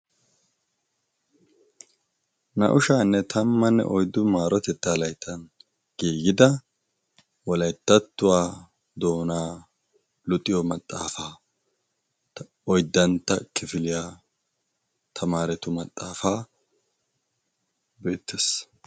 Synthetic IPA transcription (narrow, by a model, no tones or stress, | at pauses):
nɐ̰ʔʊʃaːnːɛt̪ʰɐmːɐnːɛ̰ʔɔjd̪ːʊmaːɾɔt̪ɛt̪ːalɐjt̪ʰːɐn | ɡ̥iːɡɪd̪ɐ | wɔlɐjt̪ːɐt̪ːʊwaː | d̪o̞ːnaː | lʊt̪ʼːɪjɔmɐt̪ʼːa̰ːfaː | ɔjd̪ːɐnt̪ːɐkɪfɪlɪjaː | t̪ʰɐmaːɾɛt̪ʊmɐt̪ʼːaːfaː | be̞ːt̪ːes